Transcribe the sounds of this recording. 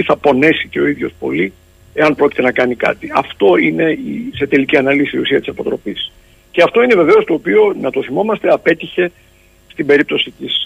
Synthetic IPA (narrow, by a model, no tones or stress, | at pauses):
iθɐpo̞ne̞sice̞o̞iðʝo̞spo̞̰li | e̞ɐnpɾo̞ci̥t̪enɐkɐnikɐ̰t̪iɐft̪o̞ine̞ise̞t̪e̞liciɐnɐlisiːusiɐt̪isɐpo̞t̪ɾo̞pis | ce̞ɐft̪o̞ine̞ve̞ve̞o̞st̪o̞ːpio̞nɐt̪o̞θimo̞mɐst̪e̞ɐpe̞t̪içe̞ | st̪ibe̞ɾip̚t̪o̞sit̪is